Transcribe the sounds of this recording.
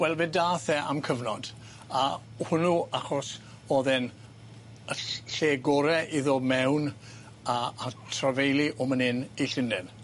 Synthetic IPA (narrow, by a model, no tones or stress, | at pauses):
wɛlˠvɛdaːθɛa̰mkʰəvnɔd̥ | a | hʊnuaχɔs | oːðɪn | əɬeːɡɔɾɛʔiðɔmɛwn | aːtʰravejliʔɔmənɪniɬɪndɪn